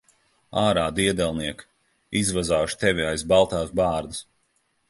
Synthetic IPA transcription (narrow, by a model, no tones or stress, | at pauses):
aːɾaːd̪iɛd̪ɛlˠniɛk | izvazaːʃt̪ɛvʲiajzbalˠt̪aːzbaːɾd̪ɨs